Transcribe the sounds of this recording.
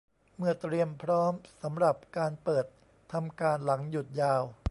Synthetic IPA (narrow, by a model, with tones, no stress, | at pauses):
mɯ˧˩ət̪ɾi˧əmpʰɾɔː˦˥msa˩˦mɾa˨˩p̚kaː˧npɤː˨˩t̪ʰː | a˧mkaː˧nla˩˦ŋju˨˩t̪̚jaː˧w